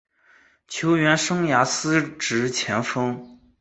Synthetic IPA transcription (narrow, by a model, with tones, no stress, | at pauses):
t͡ɕʰjo˧˥ʊɥɛ˧˥nʂɤ˥ŋja˧˥sɹ̩˥ʈ͡ʂɻ̩˧˥t͡ɕʰjɛ˧˥nfɤ˥ŋ